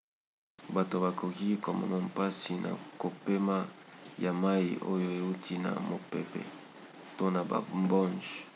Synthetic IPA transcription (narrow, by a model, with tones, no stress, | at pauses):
ba˨to˨ba˨ko˨ki˦ko˨mɔ̰˨no˦mpa˦si˨na̰˨ko˨pe˦ma˦ja˨ma˦i˨ʔo˦jo˦e˨u˦ti˦na̰˨mo˨pe˨pɛ̰˨ | to˦na˨ba̰˨mbɔ˦nd͡ʒ